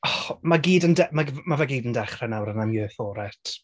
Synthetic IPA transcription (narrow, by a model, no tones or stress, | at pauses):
ɔmaɡiːdəndɛmaɡmavɛɡiːdəndɛχrɛnawɾənamjøːθɔːɾɛtʰ